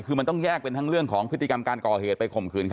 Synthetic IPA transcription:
kʰɯː˧ma˧nt̪ɔ˥˩ŋjɛː˥˩k̚pe˧nt̪ʰa˦˥ŋɾɯ˥˩əŋkʰɔː˩˦ŋpʰɯ˦˥t̪ʰːi˧ka˧mkaː˧nkɔː˨˩heː˨˩t̪̚pa˧jkʰo˨˩mkʰɯː˧nkʰ

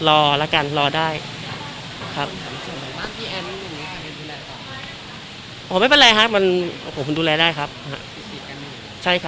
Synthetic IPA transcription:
lɔː˧lɛ˦˥ka˧nlɔː˧daː˥˩j | kʰa˦˥p̚a˨˩maː˥˩ŋp̪ʰiː˧ʔɛː˧i˧˥˩niː˧˦˥kʰa˧˩a˧˦duː˧lɛː˧ka˧˩a˧˨˦ | ma˥˩pe˧nlɛː˧ɦa˦˥k̚ma˧n˧˩pʰo˨˦kʰːduː˧lɛː˧daː˥˩jkʰa˦˥p̚ha̰˦˥ʔi˨˩i˨˩ka˧n˧˩ | t͡ɕʰa˥˩jkʰa˦

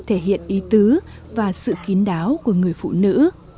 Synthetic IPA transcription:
t̪ʰe˧˩ɦḭ˧˨ənʔi˨˦t̪ɨ˨˦ | vaː˨˩sɨ̰˧˨ki˨˦ənɗaː˨˦wku˧˩əŋɨ˨˩əjfṵ˧˨nɨ̰˧˥

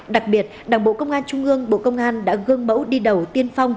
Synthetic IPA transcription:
ɗa˨˩k̚ɓi˨˩ət̚ɗaː˨˩ŋɓo̰˧˨kə˧wŋ͡mʔaː˧nt͡ɕʊ˧ŋ͡mʔɨ˧əŋɓo̰˧˨kə˧wŋ͡mʔaː˧nɗa̰ː˧˥ɣɨ˧əŋɓə̰˧˥wɗi˧ɗə˨˩wt̪i˧ənfa˧wŋ͡m

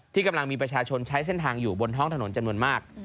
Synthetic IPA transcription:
t̪ʰiː˥˩ka˧mla˧ŋmiː˧p̬ɾa˧t͡ɕʰaː˧t͡ɕʰo˧nt͡ɕʰa˦˥js̬e˥˩nt̪ʰaː˧ŋjuː˨˩bo˧nt̪ʰɔ˦˥˩t̪a˧no˩˦nt͡ɕa˧mnu˧ənmaː˥˩k̚

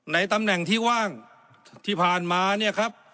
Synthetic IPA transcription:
na˧˥jt̪a˧mnɛ˨˩ŋt̪ʰiː˥˩waː˥˩ŋ | t̪ʰiː˥˩pʰaː˨˩nmaː˧ni˥˩ɐkʰa˦˥p̚

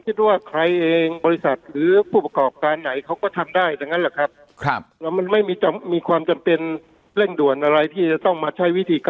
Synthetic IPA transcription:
kʰi˦˥t̪̚waː˥˩kʰɾa˧jʔeː˧ŋbɔː˧ɾi˧˥sa˨˩t̪̚ɾɯː˩˦pʰuː˥˩pa˧kɔː˨˩p̚kaː˧nːa˩˦jkʰa˦˥wkɔː˥˩t̪ʰa˧mdaː˥˩jt͡ɕa˧˩ŋːa˦˥lɛ˨˩kʰɾa˦˥p̚ | kʰlɛ˦˥ma˧nma˥˩jmiː˧t͡ɕa˧mmiː˧kʰwaː˧mt͡ɕa˧mpe˧n | le˥˩ŋdu˨˩ənʔa˧ɾa˧jt̪ʰiː˥˩t͡ɕa˨˩t̪ɔ˥˩ŋmaː˧t͡ɕʰa˦˥jwi˦˥t̪ʰiː˧ka

